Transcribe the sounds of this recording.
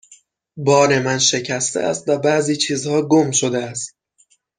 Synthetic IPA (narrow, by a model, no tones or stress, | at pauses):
bɒːɾe̞mænʃe̞cʰæst̪eʔæ̰st̪væbæziːt͡ʃʰiːzhɒːɡomʃod̪eæst̪̚